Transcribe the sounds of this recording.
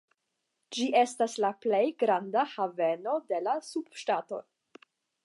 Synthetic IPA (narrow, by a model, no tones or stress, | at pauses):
d͡ʒiʔe̞staslaple̞jɡɾandahave̞no̞de̞lasub̥ʃtato̞̰